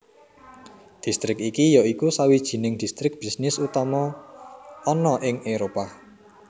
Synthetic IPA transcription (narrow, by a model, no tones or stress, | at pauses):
d̪̥i̤st̪ɾɪkikijɔikusawid̥ʒ̥i̤nɪŋd̪̥i̤st̪ɾɪk̚b̥i̤snɪsut̪ɔmɔ | ɔnɔʔɪŋeɾopa